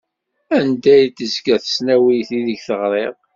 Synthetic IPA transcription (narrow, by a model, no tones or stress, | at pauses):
ænd̪æjt̪ːəzkæθə̥snæwijθiðəɡθəʁɾˤeʁ